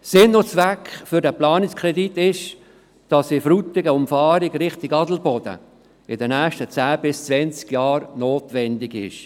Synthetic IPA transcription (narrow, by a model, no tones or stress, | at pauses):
sɪnːot͡svækfʏdəplɑːnɪkskʰʁɛditɪʃ | d̥ɑsɪfɾutɪɡəʊmfɑːɾɪɡɾɪχtɪɡɑdl̩bɔd̥ə̰ | ɪdənɛːʃtət͡sæːb̥ɪst͡svɛnt͡skjɑːɾnoːtvɛndɪɡɪ̰ʃ